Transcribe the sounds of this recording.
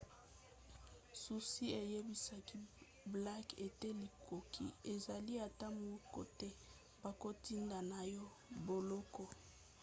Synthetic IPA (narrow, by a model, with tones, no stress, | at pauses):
su˨si˦e˨je˦bi˨sa˨ki˦ | bla˦ke˨te˦li˨kʰo˨kʰḭ˦e˨za˨li˦a˨ta˦mu˨˦ko̰˨tɛ˦ | b̥a˨ko˦ti˦nda˨na˨jɔ˦ | bo˨lɔ˦kɔ˨